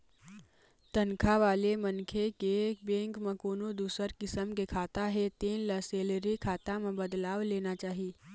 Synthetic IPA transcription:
t̪ənkʰaʋaːlemɐnkʰekebẽːŋkmẽkoːnod̪uːsəɾkɪsəmkekʰaːt̪aɦɛt̪iːnləseːləɾikʰaːt̪amẽbəd̪laːwleːnat͡ʃaːɦi

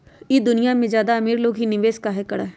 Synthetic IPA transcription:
id̪ʊnijamẽd͡ʒjaːd̪aɐmiːɾloːɡɦinɪʋeːskaɦekɐɽa

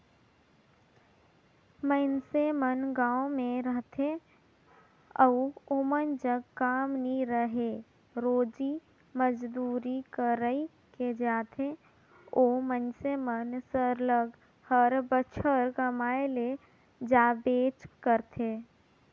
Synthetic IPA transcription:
mənsemənɡãːõmẽɾəɦt̪ʰe | əuomənd͡ʒəɡkaːmniɾəɦe | ɾoːd͡ʒi | məd͡ʒd̪uːɾikəɾəi | ked͡ʒaːt̪ʰe | oːmənsemənsəɾləɡ | həɾbət͡ʃʰəɾkəmaːele | d͡ʒaːbeːt͡ʃkəɾt̪ʰeː

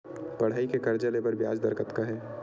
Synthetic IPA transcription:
pɐɽ̤ɦaːikekɐɾd͡ʒalebəɾbjaːd͡ʒd̪əɾkət̪kaɦɛː

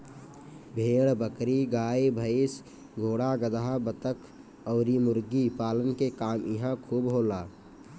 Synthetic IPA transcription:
bʱeːɽbəkɾiɡaːibʱəs | ɡʱoːɽaɡəd̪aɦabət̪əkʰ | ɔːɾimʊɾɡipaːlənkekaːmjɪɦãkʰuːbɦoːlaː

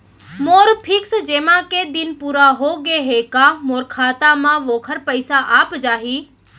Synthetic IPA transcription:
moːɾpʰɪksd͡ʒeːmãked̪ɪnpuːɾaɦoɡeɦekamoːɾkʰaːt̪amãʋoːkʰəɾpəɪsaʔaːpd͡ʒaːɦiː

